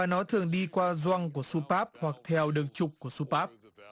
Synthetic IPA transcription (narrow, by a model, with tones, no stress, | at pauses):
aː˨˩nɔ˨˦t̪ʰɨ˨˩əŋɗi˧kwaː˧zwa˧ŋku˧˩əsu˧paː˦˥p̚hwa˨˩k̚t̪ʰɛ˧˩wɗɨ˨˩əŋ̚t͡ɕʊ˨˩k͡p̚ku˧˩əsu˧paː˦˥p̚